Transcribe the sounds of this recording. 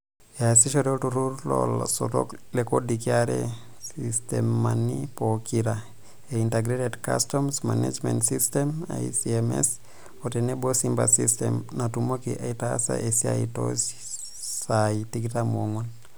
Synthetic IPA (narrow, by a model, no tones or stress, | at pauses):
jasiʃoɾetuɾuɾlɔ̰lso̰to̰klekodikiaɾḛ | sistemːanipokiɾa | einteɡɾetedka̰stɔmsmanḛd͡ʒmentsistema̰isiɛmɛ̰s | otenebosimba̰sistɛmnatumokiʔaitasa̰ʔesia̰ito̰s | saitikitamoŋwan